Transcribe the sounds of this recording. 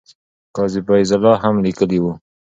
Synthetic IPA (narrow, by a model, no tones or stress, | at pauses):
kɑzɪbajzalɑɦamlikəliwu